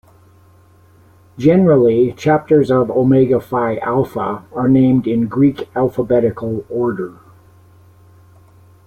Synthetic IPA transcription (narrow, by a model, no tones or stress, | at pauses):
d͡ʒɛnə˞l̩ˠit͡ʃʰæp̚tə˞zʌvoʊmeɪɡəfaɪʔælˠfə̰ə˞nẽɪ̃mdɪ̃nɡɹikælˠfəbɛɾɨkʰl̩ˠɔɹɾə˞